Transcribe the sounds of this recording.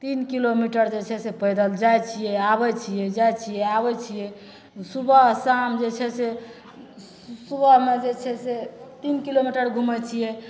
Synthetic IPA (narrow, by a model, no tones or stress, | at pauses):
t̪inkilomiʈəɾd͡ʒet͡ʃʰɛsepəjd̪əld͡ʒajt͡ʃʰijɛabɛt͡ʃʰijɛd͡ʒajt͡ʃʰijɛabɛt͡ʃʰijɛ | subəɦsamd͡ʒet͡ʃʰɛse | subəɦmed͡ʒet͡ʃʰɛset̪inkilomiʈəɾɡʱumɛt͡ʃʰijɛ